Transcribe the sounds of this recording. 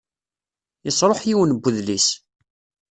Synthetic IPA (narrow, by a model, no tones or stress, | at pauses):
jəsˤɾˤoħjiwənbːuðlis